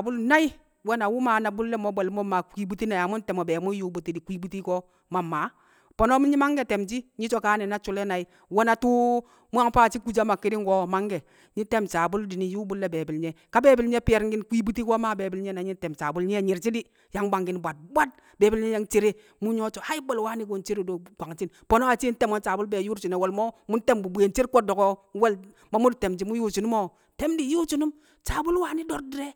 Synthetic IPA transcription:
bu˦lna˦i˦ | wɛ˦na˨wu˦ma˨na˨bu˦lːɛ˦mɔ˨˦bɔ˨lmɔ˦mːa˨kʷi˦bu˦ti˦na˨ja˨mu˦n˦tɛ˨mɔ˨bɛ˨mu˦ju˦bu˨ti˦di˨kʷi˦bu˦ti˦kɔ˦ | ma˨mːaː˨˦ | pɔ˨nɔ˦mu˦ɲi˦ma˦ŋɡɛ˨tɛ˨mt͡ʃi˦ɲi˦t͡ʃɔ˨kaː˦nɛ˨na˦t͡ʃu˨˦lɛ˦na˨i˦ | wɛ˦na˨tu˦ | mu˦a˦ŋpaː˦˨t͡ʃi˦ku˦˨d͡ʒa˦ma˨kːi˦di˦ŋɡɔ˦ma˦ŋɡɛ˨ | ɲi˦tɛ˦mt͡ʃa˨bu˦ldi˨ni˨ju˦bu˦lːɛ˦be˨bi˨lɲɛ˨ka˦be˦˨bi˨lɲe˦pi˦je˨ɾŋɡi˦nkʷi˦bi˦ti˦ko˦ma˦˨be˨bi˨lɲe˦na˨ɲi˦te˨mt͡ʃa˨bu˦lɲ˦e˦˨ɲi˨ɾt͡ʃi˦di˦ | ja˦ŋba˨ŋɡi˨nbʷa˨t̚bʷa˦t̚ | be˨bi˦lɲe˦je˦ŋt͡ʃi˦ɾe˦ | mu˦ɲo˦t͡ʃo˨ha˦i˦bo˦lwa˦ni˦ko˨n˦t͡ʃi˦ɾi˨do˨kʷa˨ŋt͡ʃi˦npo˨no˦a˨t͡ʃi˦n̩˦te˦mo˦n˦t͡ʃa˨bu˦lbe˨ju˦ɾt͡ʃi˨ne˨wo˨lmo˦mu˦n˦te˦mbu˨bu˨e˨n˦t͡ʃi˦ɾkʷo˦t̚do˨ɡo˦we˦l | mo˦mu˦dte˨md͡ʒi˨mu˦ju˦t͡ʃu˨nu˦mo˦ | te˦mdi˨ju˦t͡ʃu˨nu˦m | t͡ʃa˨bu˦lwa˨ni˦do˦ɾdi˦ɾe˦

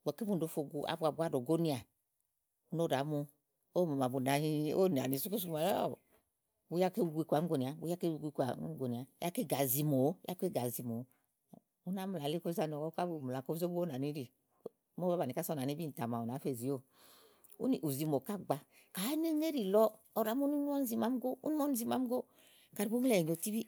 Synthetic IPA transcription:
a˨ke˦u˦n˨do˨˧˦fo˧ɡu˧ʔa̰˨˦ba˧˨bu˧˦a˦˨do˨ɡo˦ni˧a˨ | u˦no˦˨da˨˦mo˧ | o˦mo˨ma˨bu˨na˨hi˧o˦˨n˨a˨ni˨˦su˦ku˦s̬u˧˦ma˨l̰ | bu˧˦ja˦ke˦u˧ɡʷi˧kʷa˨˦o˧ni˨a˨bu˧˦ja˦ke˦˧ɡʷi˧kʷa˨˦ɡo˨ni˨a˨˦a˦ke˦˨ɡa˨zi˧mo˨˦a̰˦ke˦˨ɡa˨zi˧mo˨˦˨ | u˦na˦mu˨la˨le˦ko˦za˧˨n˨ɔ˨kɔ˦ka˦bi˨mu˨la˨ko˦zo˦bu˦o˦na˨ni˨˦ɾi˨˦ | mo˦a˦ba˨ni˨ka˦sɔ˦na˨i˦bi˦n̩˨ta˨ma˨o˨na˨˦fe˦˨zi˨˦o˦˨ | ṵ˦ni˨ʔu˨zi˧mo˨ka˦ɡ͡ba˧ | ka˨˦ne˦ne˦ɾi˨lɔ˦ | ɔ˨ɾa˨˦mo˦ni˦ɔ˦n˦zi˧ma˨˦m˦ɡo˦u˦nu˦ɔ˦n˨zi˧ma˨˦m˦ɡo˦ | ka˨ɾi˨bu˦m˦lɛ˦˨o˨ti˦bi˦

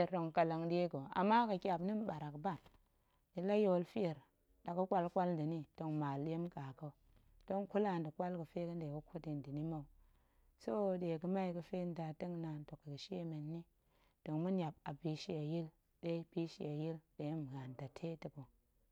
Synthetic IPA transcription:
ɾdo˨ŋka˨la˨ŋde˦ɡo˨a̰˨mːa˦kə˨kʲa˨bni˦mɓa˨ɾa˨kba˦˨n | ni˨la˦jo˦lfi˦e˨ɾ | ɗa˨kə˦kʷa˦lkʷa˦ldə˨ni˦d̥o˨ŋma˨lje˦mka˨ko˦ | d̥o˦ŋku˦la˦˨ndə˨kʷa˦lkə˨fe˦kə˦nde˨kə˦kʰo˦ti˨ndi˨ni˦mo˨u˨ | so˦de˨kə˨ma˦i˨kə˨fe˦n˦da˨tə˦ŋna˨nto˨kːə˨kə˨ʃi˦e˦me˨nːi˦ | d̥o˨ŋmu˦nʲ˦a˨b̚a˨bi˨ʃi˦a˨ji˦l | de˦pi˦ʃi˦˨a˨ji˦lde˨˦m˨ɣa˨nda˨tʰe˦tə˨ko˨

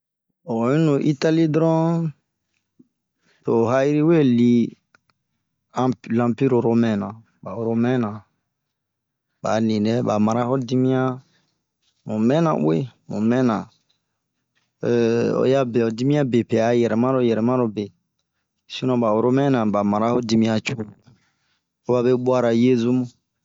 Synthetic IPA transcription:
o˨ĩ˦no˨ʔi˦ta˦li˦dɾɔ̃˦ | to˨ɦa˦i˦ɾi˦we˦li˦ | ã˦lã˦pi˦ɾo˨ɾo˦mɛ̃˦nã˨ | ba˨ɾo˦mɛ̃˦nã˨ | ba̰˨nĩ˨nɛ˦ba˨ma˨ɾa˦hɔ˦di˦mĩ˦ã˦ | mũ˨mɛ̃˦nã̰˨wḛ˦mṵ̃˨mɛ̃˦nã˨ | o̰˨˦ja˦bɛ˨o˨di˦mĩ˦ã˦be˨pe˨a˨jɛ˨ɾɛ˨mã˦ɾo˦jɛ˨ɾɛ˨mã˦ɾo˨be˨ | si˦nɔ̃˨ba˨o˨ɾo˦mɛ̃˦nã˨ba˨ma˨ɾa˦ho˦di˦mĩ˦a˨t͡ʃu˦ | o˦ba˦be˦bwa˦ɾa˨je˦zu˦mũ˦

